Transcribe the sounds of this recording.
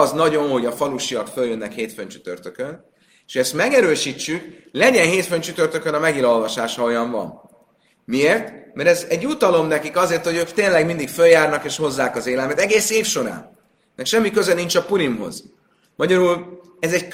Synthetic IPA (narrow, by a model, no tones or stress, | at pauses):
znɒɟo̞nɦo̞ɟɒfɒluʃiɒkføljønːɛkheːt̪føɲt͡ʃy̥t̪ø̰rt̪økøn | e̥ʃhoɛst̪mɛɡɛɾøːʃit͡ʃːyklɛɟɛnɦeːt̪fønt͡ʃyt̪ø̞rt̪ø̞kønɒmɛɡilo̞lvɒʃaːʃɒojɒɱvɒ̰n | mieːrt̪mɛɾɛzɛɟut̪ɒlo̞mnɛkikɒzeːrt̪ho̞ɟøːkt̪eːnlɛɡmind̪ikføljaːrnɒkeːʃho̞zːaːkɒzeːlɛlmɛt̪ɛɡeːseːfʃo̞ɾa̰ːnː | ɛkʃɛmːikøzɛniɲt͡ʃɒpuɾimɦo̞̰z | mɒɟɒɾuːl | ɛzɛck